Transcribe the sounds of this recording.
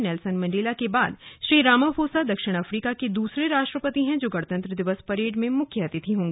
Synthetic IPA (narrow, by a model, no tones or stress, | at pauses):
nɛːlsənmɐ̃ɳɖeːlakebaːd̪ʃɾiːɾaːmafʰoːsad̪ɐkʃɪɽ̃ɐfɾiːkaked̪uːsɾeɾaːʃʈɾəpət̪iɦɛ̃d͡ʒoːɡɐɽt̪ə̃nt̪ɾəd̪ɪʋəspɐɾeːɖmẽmʊkʰːjəɦɐt̪it̪ʰiɦõːŋɡi